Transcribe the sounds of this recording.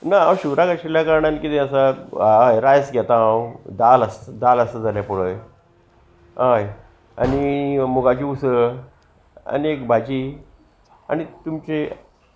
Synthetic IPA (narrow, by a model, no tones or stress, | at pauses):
naawɕuɾakəɕiljakaɾɳanikit̪ẽəsaaajɾajəsɡʱɛt̪ããwd̪aləsd̪aləsəd͡zaljapuɽəj | ɦaj | a̰nimuɡat͡ɕiusə | a̰niekbʱad͡ʑiː | a̰ñit̪umt͡ɕe